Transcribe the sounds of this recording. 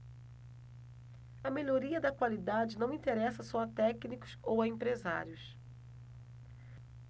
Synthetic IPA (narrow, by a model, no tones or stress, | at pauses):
ɐmeʎoɾiɐd̪ɐkwalid̪ad͡ʒɪnɐ̃w̃ĩt̪eɾɛsɐsɔɐt̪ɛknikʊ̥sowɐẽmpɾeza̰ɾjʊs